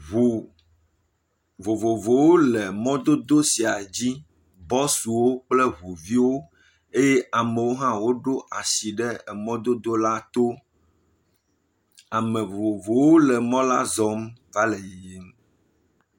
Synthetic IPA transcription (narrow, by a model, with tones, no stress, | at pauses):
u˨ | vo˨vo˨vo˨wo˦lɛ˨mɔ̃˦d̪o˦d̪o˦si˨a˨d͡ʑi˦ | bɔ˦su˨wo˦k͡plɛ˦ɦu˨vi˦wo˦ | e˦je˦ʔa˨mẽ˨wo˦ɦã˦wo˦ɖo˦a˨si˨ɖɛ˦ɛ˨mɔ̃˦d̪o˦d̪o˦la˦t̪o˦ | a˨mɛ̃˨vo˨vo˨vo˨wo˦lɛ˨mɔ̃˦la˦zɔ˦mva˦lɛ˨ji˨je˦m